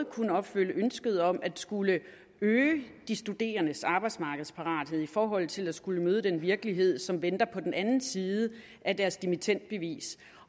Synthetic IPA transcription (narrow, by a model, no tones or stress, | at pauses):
kʰunəɒ̽b̥føl̰əønsɡ̥əð̞̩ˠɒ̽mʔæd̥sɡ̥ulə | øːd̥isd̥ud̥e̝̰ːɐnəsɑ̈ːb̥ɑ̈ɪd̥smɑ̈ɡ̥əð̩ˠspʰɑ̈ʁɑ̰̈ːd̥ɦeð̰ˠifɒːɦɒ̽l̰ˠt͡sʰe̝læ̥sɡ̥uləmøːð̞̩ˠəd̥enʋiɐɡ̥əliɦe̝ð̞̰ˠsɒ̽mʋend̥ɐpʰɒ̽d̥enʔænn̩siːð̩ˠə | ʔæd̥æɐsd̥imit͡sʰen̰d̥̚b̥e̝ʋḭːs